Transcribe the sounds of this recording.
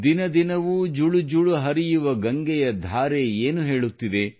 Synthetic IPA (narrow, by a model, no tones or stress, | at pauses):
d̪inɐd̪inɐʋud͡ʒuɭud͡ʒuɭuɦɐɾijuʋɐɡɐŋɡɛjɐd̪ʱaːɾe̞eːnuɦe̞ːɭut̪ːid̪e̞